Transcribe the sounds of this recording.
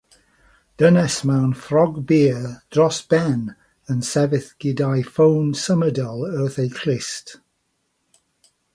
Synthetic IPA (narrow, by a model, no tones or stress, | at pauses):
d̥ənɛsmawnfrɔɡbid̥ɹɔsb̥ɛn | ənsɛvɪθɡ̥ɪdajfõwnsəmədəlˠəːθejkʰl̥ɪst